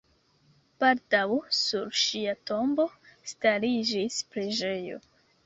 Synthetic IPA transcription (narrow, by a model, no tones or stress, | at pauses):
paldawsuɾʃiato̞mbo̞staɾid͡ʒispɾe̞d͡ʒe̞jo̞̰